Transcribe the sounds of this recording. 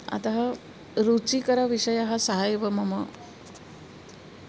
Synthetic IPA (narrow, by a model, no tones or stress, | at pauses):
a̰t̪aɦa | ɾut͡sikəɾaʋiʂəjaɦasəɦajʋəmɐmə